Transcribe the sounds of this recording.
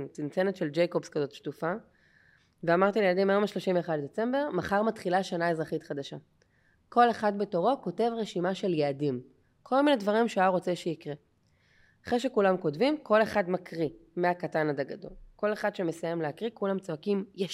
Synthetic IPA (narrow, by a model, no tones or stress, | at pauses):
t͡sint͡senetʃeld͡ʒejkobskazo̞tʃtufa | veamaʁt̪iljeadimajomaʃlo̞ʃimveːχad̪d̪e̞t͡sembe̞ʁmaχaʁmat̪χilaʃanae̞zʁaχit̪χad̪aʃa | ko̞leχadbe̞to̞ʁoko̞te̞vʁeʃimaʃe̞ljeadim | kʰo̞lminedvaʁimʃeaʁo̞t͡se̞ʃeikʁe | aχʁeʃe̞kulamko̞dvimko̞le̞χad̪makʁimeakatanad̪aɡado̞̰lko̞le̞χad̪ʃeme̞sajemleakʁikulamt͡soakimja